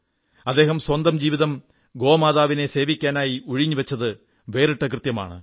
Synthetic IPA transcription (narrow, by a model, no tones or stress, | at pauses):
ɐd̪ːe̞ːɦɐmswɐnd̪ɐmd͡ʑiːʋiðɐm | ɡo̞ːmaːðaːʋine̞se̞ːʋikʲːaːnaːjiuɻiɲːɨʋɐt͡ɕːɐðɨ | ʋe̞ːriʈːɐkrɨt̪jɐma̰ːɳɨ